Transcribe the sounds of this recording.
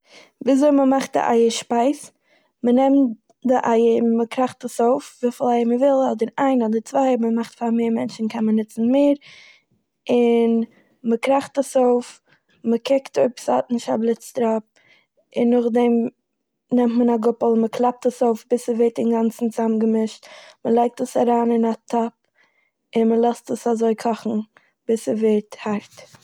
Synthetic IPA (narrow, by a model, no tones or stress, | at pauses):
viːzoɪməmaχt̚dɪ̰ʔa̰ɪəʃpaɪs | mənɛmt | dɪʔaɪəməkɾaχtəsoʊfviːfɪl̩ˠaɪəməvɪlˠɔdəɾaɪnɔdət͡svaɪəməmaχtfaɾmeːɾmɛnt͡ʃn̩kʰɛnmənɪt͡sn̩meɪɾ | ɪn | məkɾaχtəsoʊf | məkʰɪktʰoɪpsɔtnɪʃta̰blˠɪt͡stɾap̚ | ɪnːʊχdɛm | nɛmtmənaɡʊpl̩ˠməkʰlˠap̚təsoʊfbɪsəvɛɾt̚ɪnɡant͡sn̩t͡samɡəmɪʃtməlˠaɪk̚təsaɾaːnɪnatʰɔp̚ | ɪnməlˠɛstəsazoɪkʰɔχn̩ | b̥ɪsəveːɾthaɾt